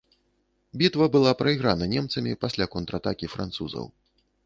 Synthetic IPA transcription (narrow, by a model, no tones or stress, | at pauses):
bʲit̪vɐbɨlˠapɾɐiɣɾanɐnʲɛmt̪sɐmʲipasʲlʲakɔnt̪ɾɐat̪akʲifɾa̰nt̪suzɐ̰w